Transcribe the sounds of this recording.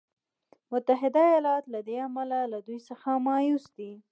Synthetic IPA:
mʊt̪aɦɪd̪ajɑlɑt̪lad̪eamalalad̪ujsəxamɑjusd̪i

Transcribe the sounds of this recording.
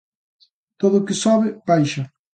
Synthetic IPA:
t̪oðʊkɪsɔβɪpajʃɐ

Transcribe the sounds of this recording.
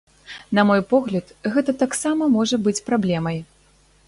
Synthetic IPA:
nɐmɔjpɔɣlʲɐt̪ɣɛt̪ɐt̪aksamɐmɔʐɐbɨt͡sʲpɾablʲɛmɐj

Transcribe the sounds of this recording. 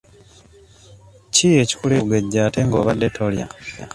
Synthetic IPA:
cije̞ːci̥kuleuɡeɟːaːte̞ŋɡo̞̰ːβa̰dːe̞tʰolja̰

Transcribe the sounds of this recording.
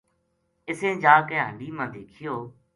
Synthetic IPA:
ɪsẽːd͡ʒaːkẽːɦəɳɖiːmãːd̪eːkʰɪjoː

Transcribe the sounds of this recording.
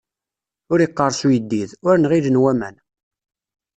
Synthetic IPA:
ʊɾiqːəɾˤsujəd̪ːiðʊɾnʁiðənwæmæn

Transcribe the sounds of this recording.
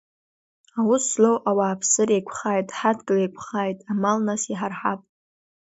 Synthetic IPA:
awuslowʔawaːpʰsɨrejkʷʰχaːjtʼħadɡɨlejkʷʰχaːjtʼamalnasiħarħapʼ

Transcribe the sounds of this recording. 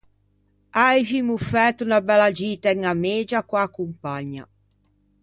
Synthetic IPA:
ajvimufɛt̪unabɛlad͡ʒiːt̪aɛŋameːd͡ʒakwaːkːumpaɲːa̰

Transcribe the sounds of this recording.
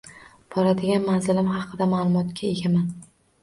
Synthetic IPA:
b̥ʰɒɾad̪ɪɡʲanmanzɪlɪmɦɑqʰɨd̪amaːlˠʊmɒt̪kʲʰae̞ɡʲaman

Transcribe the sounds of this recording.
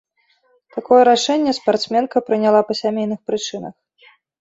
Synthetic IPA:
t̪akɔjɛɾaʂɛnʲːɛspart̪smʲɛnkɐpɾɨnʲalˠapɐsʲamʲejnɨxpɾɨt͡ʂɨnɐ̰x

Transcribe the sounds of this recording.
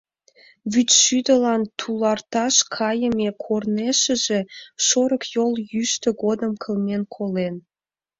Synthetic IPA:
βyt̪ʃyd̪ə̆lɑnt̪ʰulɑrt̪ɑʃkʰɑjəmekʰorneʃə̆ʒeʃoɾə̆kjoljyʃt̪ə̆ɡod̪əmkʰə̆lnenkʰolen

